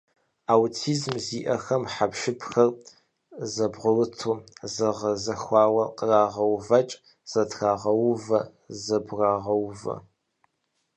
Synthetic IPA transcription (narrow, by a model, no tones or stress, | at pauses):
awtʰiːzmziːʔɐxɐmħapʃɪpʰxɐr | zɐbʁʷʊrɨtʰuːzɐʁɐzɐxʷɑːwɐqəraːʁɐwvɐt͡ʃʼ | z̥ɐtʰxaːʁɐwvɐ | zɐbraːʁɐwvɐ̰